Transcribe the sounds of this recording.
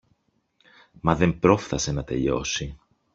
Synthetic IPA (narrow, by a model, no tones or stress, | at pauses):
mɐðe̞mpɾo̞fθɐse̞nɐt̪e̞̰ʎo̞̰si